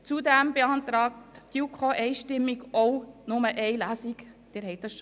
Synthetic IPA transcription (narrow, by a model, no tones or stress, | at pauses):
t͡sudæmbeɑnt̪ɾɑːk̚td̥jukʰoʔɛɪʃtɪmːiɡʔoʊnʊməʔɛɪlæsikd̥ɪɾɦɛɪt̚dɑsʃ